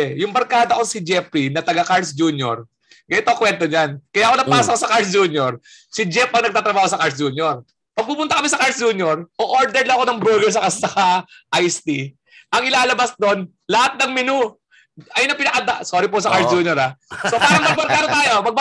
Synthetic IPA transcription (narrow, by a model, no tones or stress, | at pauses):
jʊŋbɐɾkaːd̪ɐkosɪd͡ʒɛpɾinɐt̪ɐɡɐkaɹsd͡ʒuːnjo̰ɹ | ɡɐɪt̪okwɛnt̪oɲankɐjaʔko̞nɐpaːskosɐkaɹsd͡ʒuːnjoɹ | sɪd͡ʒɛpɐŋnɐɡ̚t̪aːt̪ɾɐbaːhosɐkaɹsd͡ʒuːnjoɹ | pɐɡ̚puːpʊnt̪aɐkɐmisɐkaɹsd͡ʒuːnjoɹʔoʔoɹd̪ɛɾlɐɐko̞nɐŋbɛːɡɛɹs̬ɐkɐsɐkaʔajst̪i | ʔɐŋɪlaːlɐbasd̪o̞n | lɐhat̪̚nɐŋmɪnu | ɐjnɐpɪnɐkɐd̪asoːɾɪposɐkaɾsd͡ʒuːnjoɾasoaːɾɐŋmɐbɐɾkaːd̪ɐt̪aːjopɐɡ̚b